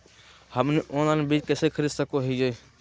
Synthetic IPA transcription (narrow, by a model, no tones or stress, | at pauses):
həmniʔõːnanbiːt͡ʃkeːsekʰəɾisəkoɦid͡ʒəi